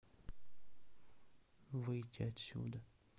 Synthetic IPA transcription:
vɨjtʲːḭɐt̪sʲṵd̪ə

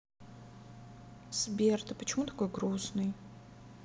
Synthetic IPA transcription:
sbʲert̪ɨpət͡ʃʰɪmut̪ḁkojɡɾusnɨj

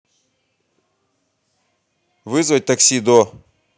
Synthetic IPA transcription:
vɨzwat̪aksid̪o

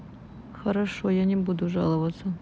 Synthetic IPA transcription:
xɐɾɐʂojanʲɪbud̪uʐɑ̰lˠəvət̪sə

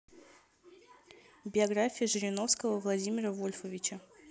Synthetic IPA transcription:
bʲɪɐɡɾafʲɪjəʐɨɾʲɪno̞fskəvəvlˠɐdʲimʲɪɾəvo̞lʲfəvʲɪt͡ɕə

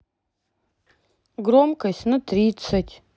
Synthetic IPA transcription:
ɡromkɐsʲtʲnɨtrʲit̪sɐtʲ

